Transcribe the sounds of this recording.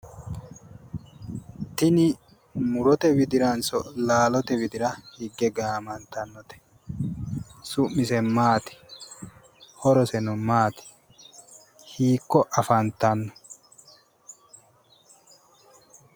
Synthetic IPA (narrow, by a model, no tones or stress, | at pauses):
t̪ɪnɪ | mʊɾɔt̪ɛbɪd̪ɪɾɐnsɔlaːlɔt̪ɛbɪd̪ɪɾɐhɪɡːɛɡaːmɐnt̪ɐnːɔt̪ɛ̥ | sʊmmːɪs̬ɛmaːt̪ɪ̥ | hɔɾɔsɛnɔmaːt̪ɪ̥ | hiːkːɔʔɐfɐnt̪ɐnːɔ̥